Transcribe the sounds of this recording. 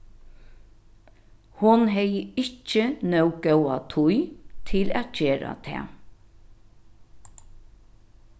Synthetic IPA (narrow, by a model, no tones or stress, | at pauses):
hʊnɦɛjəɪt͡ʃːənœwɡɛwat̪ʰʊjt̪ʰɪlæ̰ːt̪ceːɾa̰t̪ʰɛ̰ː